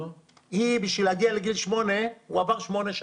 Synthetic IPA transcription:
hibiʃvilhaɡialeɡilʃmo̞neuavaʁʃmo̞neʃa

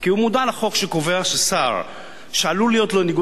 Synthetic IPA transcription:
kiumud̪alaχo̞kʃeko̞ve̞aʃasaʁ | ʃealulijo̞tlo̞niɡ

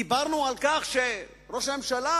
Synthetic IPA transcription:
ibaʁnualkaχʃe | ʁo̞ʃame̞mʃala

